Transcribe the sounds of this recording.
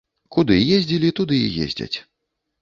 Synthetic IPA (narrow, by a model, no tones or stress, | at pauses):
kud̪ɨjezʲd͡zʲilʲit̪ud̪ɨḭjḛzʲd͡zʲɐ̰t͡sʲ